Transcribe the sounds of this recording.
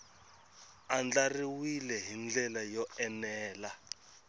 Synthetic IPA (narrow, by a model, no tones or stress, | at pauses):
and͡ɮariwilɛɦind͡ɮɛlajɔɛnɛːla